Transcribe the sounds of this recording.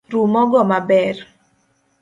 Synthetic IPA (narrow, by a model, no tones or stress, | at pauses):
rumɔɡɔmabɛr